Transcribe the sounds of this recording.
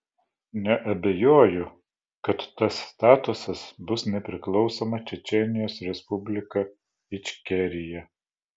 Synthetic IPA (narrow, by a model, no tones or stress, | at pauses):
nʲɛʔɐbʲɛjoːjʊ | kɐt̪ːɐsːt̪ɑːt̪ʊsɐsbʊsnʲɛpʲɾʲɪklˠɒʊsoːmɐt͡ʃʲɛt͡ʃʲɛnʲɪjoːsɾʲɛspʊbʲlʲɪkɐ | ɪt͡ʃʲkʲɛɾʲɪjɛ